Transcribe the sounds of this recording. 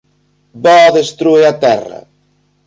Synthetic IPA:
bɔðest̪ɾueat̪ɛ̰rɐ̰

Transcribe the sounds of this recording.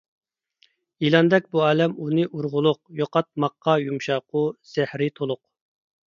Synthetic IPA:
ilˠɑnd̪ɛk̚ʲbuɑːlɛmunɨʔuɾʁʊlˠʊq̚joqɑt̪̚mɑqːɑjumʃɑqʰʊz̥æhɾɪt̪ʰolˠʊq̚

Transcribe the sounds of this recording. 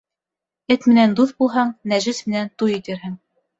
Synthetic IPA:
ɘt̪mɘ̆nænd̪uθbulˠɦɑɴnæʒɘsmɘ̆nænt̪ujĭt̪ɘ̆ɾɦɘŋ

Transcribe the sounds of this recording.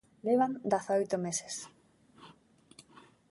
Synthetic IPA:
leβ̞and̪aθaojt̪omese̥s

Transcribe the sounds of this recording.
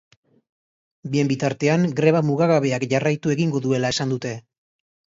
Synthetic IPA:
bie̞mbit̪aɾt̪e̞aŋɡɾe̞βamuɣaɣaβe̞akʝarajt̪ue̞ɣiŋɡo̞ðue̞lae̞sand̪ut̪e̞

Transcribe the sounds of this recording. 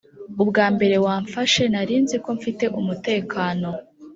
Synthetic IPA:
ubɡaːmbe̞ɾe̞waːɱfaʃe̞naɾiːnziko̞ɱfite̞ʔumute̞ːkaːno̞

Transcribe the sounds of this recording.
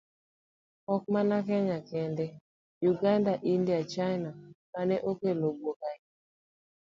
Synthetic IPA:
ɔk̚manakɛɲakɛndɛ | juɡandaʔindiat͡ʃajnamanɛʔokelobokaj

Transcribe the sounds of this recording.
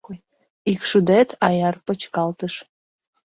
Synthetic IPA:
ikʃud̪et̪ʰɑjɑrpət͡ɕkɑlt̪əʃ

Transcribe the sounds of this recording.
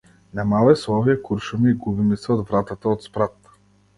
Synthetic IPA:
namalˠɛslˠɔviakuɾʃumiɡubimisɛod̪vɾat̪at̪aot̪spɾat̪

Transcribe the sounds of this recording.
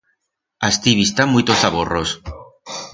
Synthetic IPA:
ast̪iβist̪amuijt̪osaβoros

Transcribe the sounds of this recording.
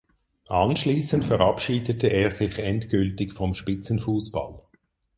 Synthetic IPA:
ʔɑnʃliːsəntfɛʁɑpʃiːdətʰəeːɐzɪçɛntkʏltɪkfɔmʃpɪt͡sənfuːsb̥a̰l

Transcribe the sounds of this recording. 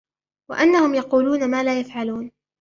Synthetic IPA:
wa̰ʔanːahʊmjɑquːluːnamaːlaːjafʕaluːn

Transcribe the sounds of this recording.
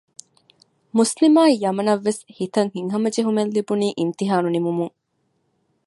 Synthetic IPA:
muslimaːijɐmɐnɐʋːeshit̪ɐŋhiŋɦɐmɐd͡ʒeɦumelːibuniːʔint̪iɦaːnunimumuŋ

